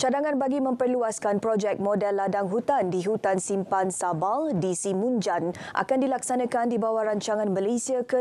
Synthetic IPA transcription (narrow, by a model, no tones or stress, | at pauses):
t͡ʃadaŋãnbaɡimə̃mpərluaskanpɾɔd͡ʒɛk̚mɔdɛlːadaŋɦut̪andiɦut̪ansimpansabaldisimũnd͡ʒan | ʔa̰kandilaksanãkandibawaɾaɲt͡ʃaŋãnmalesiakə